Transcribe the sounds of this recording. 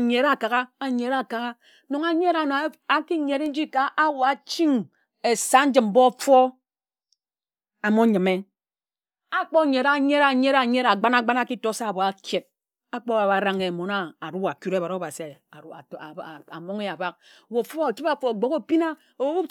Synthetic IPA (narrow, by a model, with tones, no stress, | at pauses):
ɲe˨ɾa˨ka˨ɣa˦a˨ɲe˨ɾa˦˨ka˨ɣa˦ | no˨ŋa˨ɲe˦ɾa˨n˨˦a˨ki˦ɲe˨ɾe˦n̩˦d͡ʒi˦ka˨ʔa˦wo˨a˨t͡ʃi˦ŋ | e˨sa˦n̩˦d͡ʒɨ˨m̩˦bo˦fɔ˦ | a˨mo˦ɲɨ˨me˦ | a˦k͡po˦˨ɲe˨ɾa˦ɲe˦ɾa˨ɲe˦ɾa˨ɲe˦ɾa˨ɡ͡ba˦na˦˨ɡ͡ba˦na˦ki˦to˨˦sa˦˨bo˨a˨kje˨t̚ | a˦k͡po˦˨a˨βa˨ɾa˦ŋe˨mo˨na˦a˨ɾu˦a˨ku˦ɾe˦˨βa˨o˦˨βa˨si˨˦˨a̰˨mo˦ŋe˦a˨ba˦k̚ | wo˨fo˦a˦˨t͡ʃi˦pa˦fo˨ɡ͡bo˨ko˦pi˦na˦ | o˨˦u˦